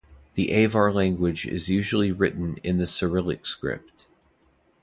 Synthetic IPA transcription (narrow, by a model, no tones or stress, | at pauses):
ðiʔeɪvɑɹlæ̃ŋɡwɨd͡ʒɪ̰zjʉʒl̩ˠiɹɪʔn̩ɪ̰̃nðɨsə˞ɪlˠɨ̰kskɹɪ̰p̚t̚